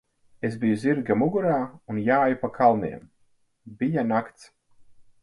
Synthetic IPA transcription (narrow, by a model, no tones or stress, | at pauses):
ezbijuziɾɡamuɡuɾaːunjaːjupakʰalˠnḭɛm | bijanakt̪s